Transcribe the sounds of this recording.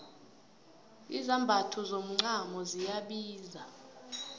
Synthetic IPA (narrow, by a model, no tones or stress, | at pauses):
izambʱatʰɔzom̩ŋ͡ǀamɔzijaɓiːza